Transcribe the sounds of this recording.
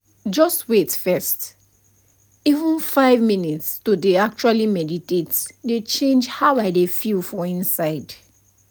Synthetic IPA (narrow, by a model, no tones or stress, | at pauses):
d͡ʒɔstwetfɛst | ivə̃nfaɪvmĩnitstodeak̚t͡ʃualimɛditetdet͡ʃẽnd͡ʒhaʊaɪdefilfɔ̃ĩnsaɪd